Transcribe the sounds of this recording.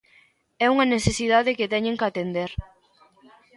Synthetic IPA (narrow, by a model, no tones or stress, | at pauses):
ɛuŋɐnesesiðaðekɪt̪ɛɲẽŋkat̪end̪eɾ